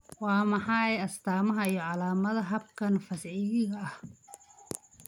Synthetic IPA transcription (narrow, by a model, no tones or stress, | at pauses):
wɑːmɑħɑːɛjɐst̪ʰaːmɐɦɐijɔʕɑlaːmɐðɐɦɐbkʰɐnfɐsʕiːðɪɣɐːh